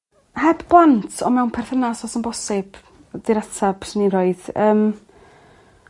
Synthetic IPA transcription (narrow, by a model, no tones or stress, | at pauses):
hɛbbɔntʰɔmɛwnpʰɛrθənasɔsənbɔsɪb̥ | d̥ɪɾatʰab̥səniroɨðəːm